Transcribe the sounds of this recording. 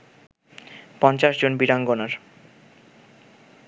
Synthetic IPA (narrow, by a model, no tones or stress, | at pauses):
pɔnt͡ɕaʃd͡ʑonbiɾaŋɡonaɾ